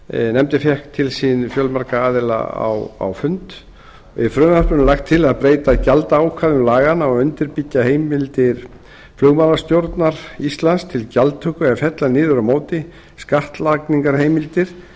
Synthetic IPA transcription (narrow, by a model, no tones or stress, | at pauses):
nɛmt̪ɪfjɛhkt̪ʰːɪlsinfjœlmaɾkaaːðɪla̰a̰wa̰wfʏnt̪ | ɪfɾœːmapʏnʏlaxt̪ʰːɪlaðpɾeːjt̪acalt̪aawkʰvaːðʏmlaːɣanawʏnt̪ɪɾpicːaɦeːjmɪlt̪ɪɾ | flʏɣmaːlast̪jowɾt̪naɾ̥ist̪lanst̪ʰɪlcalt̪ʰːʏːhkʏɛɣfjɛt̪lanɪːðʏɾamoːwt̪ɪ | skaht̪lakniŋkaɾ̥hejmɪlt̪ɪɾ̥